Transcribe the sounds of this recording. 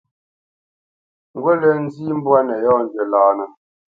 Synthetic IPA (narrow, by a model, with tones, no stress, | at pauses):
ŋ̩˨ɡwo˦lə˨n̩˦ziː˦m̩˦bwa˦nɛ˨jɔː˦n˨d͡ʒɥə˨laː˨nə˨